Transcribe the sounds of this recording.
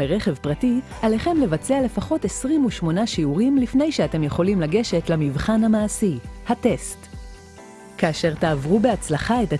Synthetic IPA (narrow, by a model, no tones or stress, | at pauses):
eʁe̞χe̞vpʁati | ale̞χe̞mle̞vat͡seale̞faχo̞te̞sʁimuʃmo̞naʃiuʁimlifne̞jʃeate̞mjeχo̞limlaɡe̞ʃe̞tlamivχanhamaːsihate̞st | kaːʃeʁtaːvʁubeat͡slaχaeta